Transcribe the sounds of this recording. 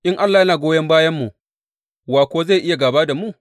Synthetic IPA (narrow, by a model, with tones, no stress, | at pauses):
ʔɪ˦ŋʔa˦lːaː˨jɐ˦naː˨ɡʷoː˦jɐ˦mbaː˦jɐ˦mːu˨ | waː˨kʷoː˦za˦˨ʔɪ˦ja˨ɡa˨baː˦da˨mu˦˨